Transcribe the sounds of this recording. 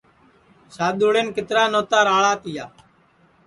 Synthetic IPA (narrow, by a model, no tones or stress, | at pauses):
saːd̪uːɽeːnkɪt̪ɾaːnoːt̪aːɾaːɭaːt̪ɪjaː